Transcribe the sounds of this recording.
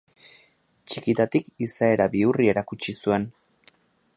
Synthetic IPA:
t͡ʃikit̪at̪ikisae̞ɾabiurie̞ɾakut͡ʃisue̞n

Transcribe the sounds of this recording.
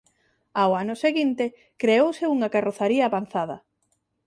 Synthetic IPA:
aʊanʊseɣint̪e | kɾeowseuŋakaroθaɾiɐːβan̟θað̞ɐ̰

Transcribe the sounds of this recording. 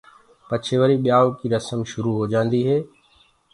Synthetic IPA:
pɐt͡ʃʰeːʋəɾiɓijaːokiɾɐsəmʃʊɾuɦod͡ʒãːnd̪iɦeː

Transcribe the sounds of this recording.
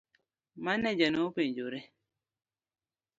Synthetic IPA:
manːɛd͡ʒɛnoped͡ʒoɾɛ

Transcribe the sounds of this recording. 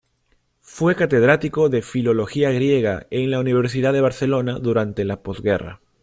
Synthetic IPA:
fwe̞kat̪e̞ð̞ɾat̪iko̞ðe̞filo̞lo̞xiaɣɾje̞ɣa̰eŋlauniβ̞e̞ɾs̬iðaðe̞β̞aɾθe̞lo̞naðuɾant̪e̞lapo̞zɣe̞ra̰

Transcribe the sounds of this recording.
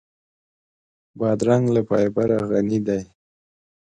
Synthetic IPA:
bɑd̪ɾaŋɡlapɑjbaɾaɣanid̪aj

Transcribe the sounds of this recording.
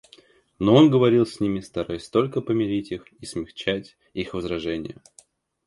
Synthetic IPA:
no̞o̞nɡəvɐɾʲilˠsʲnʲimʲɪst̪ɐɾajɪsʲt̪o̞lʲkəpəmʲɪɾʲitʲixismʲɪxt͡ɕætʲ | ixvəzɾɐʐɛnʲɪ̰jə̰

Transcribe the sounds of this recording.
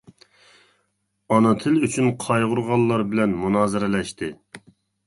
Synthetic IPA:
ɑnɨt̪ʰɪlyt͡ʃʰynqʰɑjʁʊɾʁɑlˠːɑɾbɪlɛnmunɑːzɨɾɪlɛʃt̪ʰɪ

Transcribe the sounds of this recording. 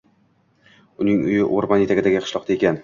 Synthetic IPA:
ʊnɪŋʊ̰jɪʔoɾbanjet̪ʰaɡʲɪd̪aɡʲɪqʰɨ̥ʃlˠɒqt̪aekʲan

